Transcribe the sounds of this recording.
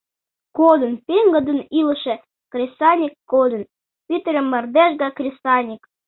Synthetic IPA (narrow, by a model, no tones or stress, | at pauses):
kod̪ə̆npʲeŋɡə̆d̪ə̆niləʃĕ | krʲesɑnʲikːod̪ə̆n | pyt̪əlʲemːɑrd̪eʒɡɑkrʲesɑnʲik